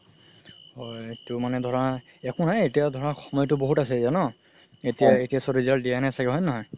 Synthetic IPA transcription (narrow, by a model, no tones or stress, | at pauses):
hɔjtʊmanɛdʱɔɹa | ɛkʊnajetijadʱɔɹaxɔmɔjɔtʊboɦutasɛzanɔ | etijaetijasɔɹizaɹdijanɛsaɡɛɦɔjnɔɦɔj